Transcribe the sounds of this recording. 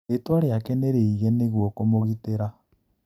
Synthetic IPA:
etwaɾeakeneɾeiɣeneɣwɔkomoɣiteɾa

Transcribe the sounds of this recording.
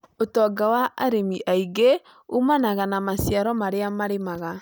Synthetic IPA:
otɔɡawaʔaɾemiʔaiɡe | umanaɣanamasjaɾɔmaɾeamaɾemaɣa

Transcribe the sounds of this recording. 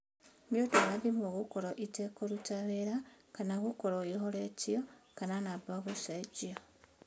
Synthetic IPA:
mjotoβaðimuɣukoloʔitekolutaβeɾakanakukoloixolet͡siokananabaβusad͡ʒio

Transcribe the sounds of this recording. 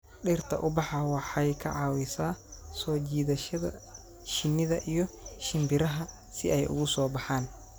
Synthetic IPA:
ɗɪrt̪ʰɐ̰ʔʊbɑħɑwɑħɑjkʰɐʕɑːwɪsaːsɔːt͡ʃiːðɐʃɐðɐ̰ | ʃɪnːɪðɐʔijɔʃɪmbɪɾɐɦɐ | sɪʔɛjʔʊ̰ɣʊsɔːbɑħaːn

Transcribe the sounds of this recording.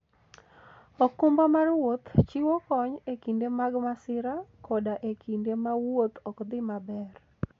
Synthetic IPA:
ɔkumbamarwot̪t͡ʃiwɔkɔɲekindemaɡmasɪɾakʰɔdaʔekʰindemawot̪ɔkd̪ɪmabɛr

